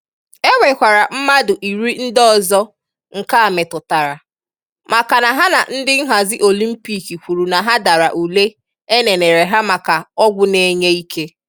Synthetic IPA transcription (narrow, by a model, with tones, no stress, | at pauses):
e˦wʷe˨kʷa˨ɾa˨m̩˦ma˦dʊ˨ʔi˨ɾi˦n̩˦dɔ˦zɔ˦ | ŋ̩˨ka˦a˨me˨tʊ˨ta˨ɾa˨ | ma˨ka˨na˨ɦa˦na˨n̩˦dɪ˦ŋ̩˦ɦa˨zɪ˦ʔo˨li˦m̩˦pi˦ki˨kʷu˨ɾu˨na˨ɦa˦da˨ɾa˨ʔu˨le˦ | e˦ne˨ne˨ɾe˨ɦa˦ma˨ka˨ɔ˦ɡʷʊ˦ne˦ɲe˦i˦kʰe˦